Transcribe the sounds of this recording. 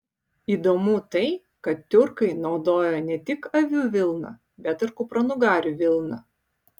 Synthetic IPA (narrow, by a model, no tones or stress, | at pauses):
iːd̪omut̪ɐɪ | kɐt̪t̪ʲʊɾkɐɪnɒʊd̪oːjonʲɛt̪ʲɪkɐʋʲuːʋʲɪlˠnɐ̰ | bʲɛt̪ɪɾkʊpɾɐnʊɡɑːɾʲuʋʲɪlˠnɐ̰